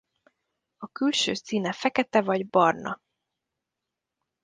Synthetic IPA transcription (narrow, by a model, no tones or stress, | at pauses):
ɒkylʃø̰ːsiːnɛfɛkɛt̪ɛvɒɟbɒrnʔɒ̰